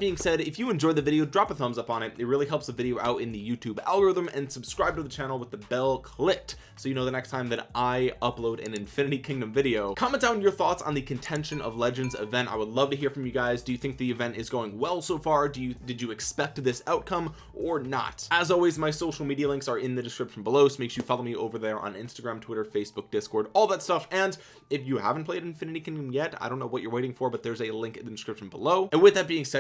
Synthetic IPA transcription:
b̥iɪ̃ŋsɛɾɨfjɨɨ̃nd͡ʒɔɪðɨvɪɾioʊdɹɑpəθʌ̃mzʌpn̩ɨt̚ɨt̚ɹɪlˠiɦɛlˠpsəɨvɪɾioʊʔa̰ʊɾɨ̃nðɨjʉtʰʉbæ̰lˠɡə˞ɪðə̃mɨ̃nsɨb̥skɹaɪb̚tɨðɨt͡ʃʰænl̩ˠwəðɨbɛlˠkʰl̥ɪt | soʊjɨnoʊðɨnɛkstʰãɪ̃mðɨɾʔaɪʌploʊɾɨ̰̃nɨ̃ɱfɪ̃nɨɾikʰɪ̃ŋdɨ̃ɱvɪɾioʊkʰʌ̃mɛ̃ndãʊ̃n̩jə˞θɔtsn̩ðɨkʰɨ̃n̩tʰɛ̃nʃɨ̃nʔʌ̰vlɛd͡ʒɨ̃ndzɪ̰vɛ̃nta̰ɪwədˡlʌv̥tɨɦiɹfɹʌ̃mjɨɡaɪzdɨjɨθɪ̃ŋk̚ðiɨvɛ̃ntɨzɡoʊɪ̃ŋwɛlˠsoʊfɑɹdɨjɨdɨd͡ʒɨɨkspɛk̚t̚ðɪsaʊt̚kʰʌ̃m | ʔə˞nə̰təzɔlˠwizmaɪsoʊʃl̩ˠmiɾiɨlɪ̃ŋksə˞ɪ̃nðɨdɨskɹɪpʃn̩bəloʊsmeɪksjɨfɑlˠoʊmiʔo̰ʊvə˞ðə˞ʔə̰̃nɪ̰̃nstɨɡɹæ̃mtʰw̥ɪɾə˞feɪsb̥ʊk̚d̥ɪskɔɹɾɔlˠðətstʌfɨ̃n | ɨfjɨhæ̰vn̩pʰl̥eɪɾɨ̃nfɪ̃nɨɾikʰɪ̃ndɨ̃mjɛtaɪdõʊ̃nːoʊwʌt͡ʃə˞weɪɾɪ̃ŋfə˞bʌt̪̚ðə˞zɨlɪ̃ŋkɨðɨdɨskɹɪpʃn̩bəloʊʔɨ̃nwɨðɨt̚b̥iɪ̃ŋsɛ

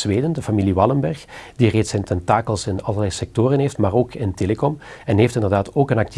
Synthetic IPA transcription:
zʋeːdəndəfamiliʋɑləmbɛrxd̥ireːtsɛntɛntaːkəlˠsɪnɑlərlɛjsɛk̚toːɾənɦeːftmaːroːkʰɪnteːləkɔmɛnɦeːftɪndərdaːtoːkənɑk̚t

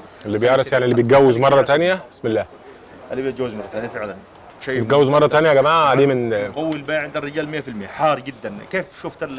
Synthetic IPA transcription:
elːibejeʕɾˤɑsjaʕnilːibet̪̚ɡæwːezmɑrˤːɑt̪ænjæsmelːæː | ʔalːibejt̪ɡæwːɪzmɑrˤːɑt̪ænjæfeʕlæn | ʃet̪̚ɡæwːezmɑrˤːɑt̪ænjæɡæmaːʕæd̪iːmenqowːilbæʕend̪ærːɪɡæːlmɪjːæfilmɪjæħɑːɾˤɡɪd̪ːænkeːfʃoft̪al

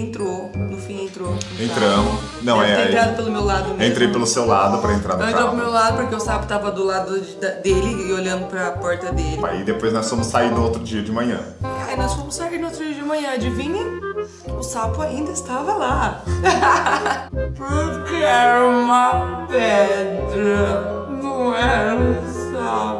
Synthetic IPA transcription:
ẽnt̪ɾo | nʊfĩẽnt̪ɾoẽnt̪ɾɐ̃mʊs | nɐ̃w̃ɛeaɾad̪ʊpelʊmewlad̪ʊnẽt̪ɾejpelʊsewlad̪ʊpɾɐẽnt̪ɾaɾɐ̃ẽt̪õpɾʊmewlad̪ʊpoɾkeʊsapʊ̥t̪avɐd̪ʊlad̪ʊd͡ʒd̪ɐd̪elɪɪoʎɐ̃nd̪ʊpɾɐpɔɾt̪ɐd̪elɪa̰id̪epojznɔsfõmʊsːaiɾnʊowt̪ɾʊd͡ʒiɐd͡ʒɪmɐ̃ɲɐ̰̃ainɔsfõmʊsaiɾnʊot̪ɾʊd͡ʒiɐd͡ʒɪmɐ̃ɲɐ̃ɐd͡ʒɪvĩnẽ | ʊsapʊaĩnd̪ɐɪst̪avɐla | pʊɾkeɛɾũmɐpɛd̪ɾɐ | nɐ̃w̃ɛ̃ | s | a

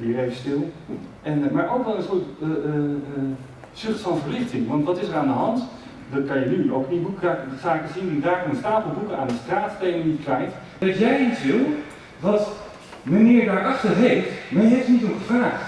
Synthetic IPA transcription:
diərejvəstɪlˠ | ɛnmaɹowkdɔlˠənsoːɹtː | sʏχtfɔnvərlɪxtɪŋʋɑntʋɔtɪsəraːndəɦɑnt | dɔtkanjənyowknibukasaɪkəsinidaːknənstaːpəlˠbukəaːndəstraːttejnənitklɛjt | ɔtjɛjisʋɪlˠ | ʋɔt | mənɪːɹdaːɹʔɑxtərɦejftmaɹjəɦɛpsnitoχəfraːx

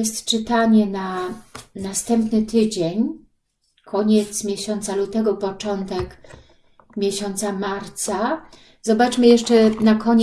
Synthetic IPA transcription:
ɛst̪t͡ʂɘt̪aɲɛna | nast̪ɛmpnɘt̪ɘd͡ʑeɲ | kʰɔɲɛt̪smʲjeɕɔnt̪salut̪ɛɡɔpɔt͡ʂɔnt̪ɛk | mʲjeɕɔnt̪samaɾt̪sa | zɔbat͡ʂmɘjɛʂt͡ʂɛnakʰɔɲ

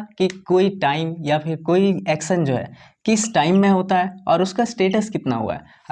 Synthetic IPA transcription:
kikoːiʈaːɪmjapʰɪɾkoːiɛːkʃənd͡ʒoːɦɛ̰ː | kɪsʈaːɪmːẽɦoːt̪aɦɛɔːɾʊskasʈeːʈəskɪt̪na̰ɦṵa̰ɦɛ

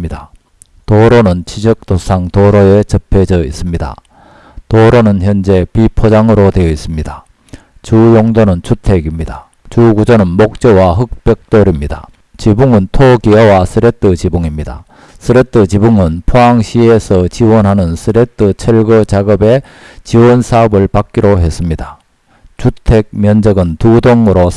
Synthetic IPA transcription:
ida | toɾonɯnt͡ɕʰid͡ʑʌk̚t͈osʰaŋtoɾoet͡ɕʌpʰe̞d͡ʑʌḭs͈ɯmɲida̰ | toɾonɯnçjʌnd͡ʑe̞pipʰod͡ʑaŋɯɾodwejʌis͈ɯmɲida | t͡ɕujoŋdonɯnt͡ɕʰutʰe̞ɡimɲida | t͡ɕuɡud͡ʑʌnɯnmok̚t͡ɕ͈ʌwaɦɯk̚p͈jʌk̚t͈oɾimɲida̰ | t͡ɕibuŋɯntʰokiʌwasʰɯɾet͈ʰɯt͡ɕibuŋimɲida̰ | sʰɯɾet͈ʰɯt͡ɕibuŋɯnpʰoaŋɕʰiesʰʌt͡ɕiwʌnɦanɯnsʰɯɾet͈ʰɯt͡ɕʰeɭɡʌt͡ɕaɡʌbe̞ | t͡ɕiwʌnsʰaʌbɯɭpak͈̚iɾoɦe̞s͈ɯmɲida | t͡ɕutʰe̞k̚mjʌnd͡ʑʌɡɯntudoŋɯɾo

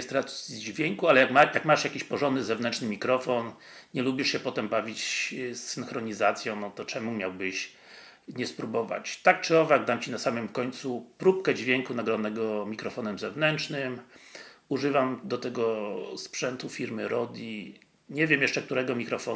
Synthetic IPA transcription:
st̪ɾat̪sʲid͡ʑvʲjɛŋkualɛjakjakmaʂjakʲiɕpɔʐɔnd̪ɘzɛvnɛnt͡ʂnɘmʲikɾɔfɔn | ɲɛlubʲiʂɕɛpɔt̪ɛmbavʲit͡ɕsːɘnxɾɔɲizat̪sʲjɔ̃w̃nɔt̪ɔt͡ʂɛmumʲjawbɘɕ | ɲɛspɾubɔva̰t͡ɕt̪ak̚t͡ʂɨɔvaɡd̪amt͡ɕinasamɘmkɔɲt̪supɾup̚kɛd͡ʑvʲjɛŋkunaɡɾɔnːɛɡɔmʲikɾɔfɔnɛmzɛvnɛnt͡ʂnɘm | uʐɘvamd̪ɔt̪ɛɡɔspʂɛnt̪ufʲiɾmɘɾʔɔd̪ʲi | ɲɛvʲjɛmjɛʂt͡ʂɛk̚t̪uɾɛɡɔmʲikɾɔfɔ

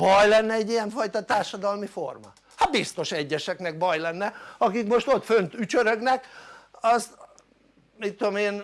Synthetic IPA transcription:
bɒjlɛnːɛɛɟːijɛɱfɒjt̪ɒt̪aːrʃɒd̪ɒlmifo̞̰rmɒ̰ | hat̪̚bist̪o̞ʃɛɟːɛʃɛknɛɡ̚bɒjlɛnːɛɒkikmo̞ʃt̪o̞t̪fønt̪yt͡ʃøɾøɡnɛkɒst̪ | mit̪ːomeːn

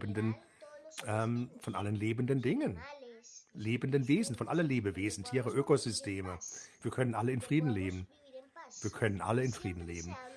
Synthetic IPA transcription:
bən̩dən | ʔɛːmfɔnʔa̰lənleːbəndəndɪŋən | leːbən̩dənveːzn̩fɔnʔalənleːbəveːzn̩tʰiːʁəʔøːkozʏstʰeːməv̥iːɐkʰœnənʔaləɪnfʁ̥iːdn̩leːbm̩ | v̥iːɐkʰœnənʔa̰ləɪnfʁ̥iːdn̩leːbn̩

